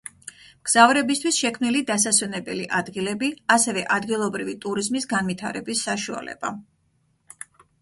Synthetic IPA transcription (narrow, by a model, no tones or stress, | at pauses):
mɡ̥z̥avɾɛbist̪ʰwisʃɛkʰmnilid̪asaswɛnɛbɛliʔad̪ɡilɛbiasɛvɛʔad̪ɡilˠɔbɾivit̪ʼuɾizmisɡanvit̪ʰaɾɛbisːaʃua̰lɛ̰b̥a